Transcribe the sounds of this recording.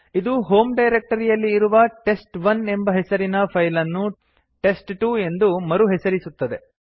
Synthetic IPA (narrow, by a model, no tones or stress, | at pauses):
id̪uɦo̞ːmɖɐjɾek̚ʈɐɾijɐlːiːɾuʋɐʈe̞sʈʋɐne̞mbɐɦesɐɾinɐpʰɐjlɐnːu | ʈe̞sʈʈuːe̞nd̪umɐɾuɦesɐɾisut̪ːɐd̪e̞